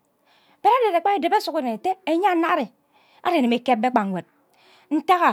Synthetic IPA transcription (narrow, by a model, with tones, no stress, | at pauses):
b̥e˦ɾa˦de˨ɾe˨k͡pa˦e˨de˨be˦su˨ki˦ɾe˨e˨te˦e˦ɲa˦na˦ɾi˨ | a̰˦ɾe˨ne˨me˨ke˦p̚be˦k͡pa˨ŋ˨we˨t̚ | n̩˦ta˦ɣa˨